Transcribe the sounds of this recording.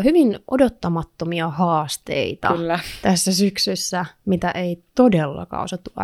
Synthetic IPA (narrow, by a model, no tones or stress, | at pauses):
hyʋinʔo̰dot̪ːɑmɑt̪ːomiɑhɑːst̪ḛit̪ɑ̰ːt̪æsːæsyksysːæmit̪æʔeit̪odelːɑ̰kɑ̰ːo̰sɑt̪ːuɑ̰